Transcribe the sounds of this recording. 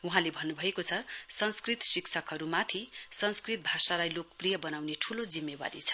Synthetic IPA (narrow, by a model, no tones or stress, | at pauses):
uɦãlebʱʌnːubʱʌekot͡sʰʌsʌnskrit̪siksʰʌkɦʌɾumat̪ʰisʌnskrit̪̚bʱasalajlokprijʌbʌnawneʈʰulod͡zimːeba̰ɾit͡sʰʌ̥